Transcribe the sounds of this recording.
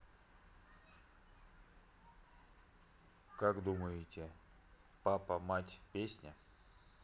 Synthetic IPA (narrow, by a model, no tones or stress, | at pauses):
kakd̪uməjɪtʲɪ | papəmatʲpʲesʲnʲə